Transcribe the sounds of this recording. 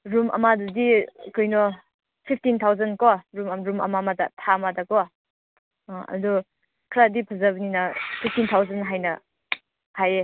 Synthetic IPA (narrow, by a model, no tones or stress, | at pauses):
ɾumʔɐ̰madudikɔjnɔ | pʰip̚ʰtint̪ʰawzɐnkɔɾumamɾumɐ̰mamada̰tʰamadakɔ | ɐ̰dɔ | kʰɾadipʰɐzabninɐpʰip̚ʰtint̪ʰawzanɦajnɐ | haje